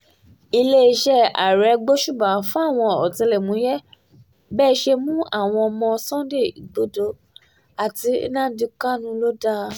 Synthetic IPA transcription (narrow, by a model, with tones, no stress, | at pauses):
i˧le˦i˧ʃɛ˦a̰˨ɾɛ˨˦ɡ͡bo˦ʃu˦˨bã˨˦fũ˦a˦˨w̃ɔ̃˧ɔ˨tĩ˧lɛ˨mũ˨˦jɛ˦ | bɛː˦˧ʃe˧mũ˦a˦˨w̃ɔ̃˧ɔ˧mɔ̃˧sɔ̃˦de˦˨i˨ɡ͡bo˨˦do˧ | a˨ti˧˦nã˦di˧ka˦nũ˦lo˦da˦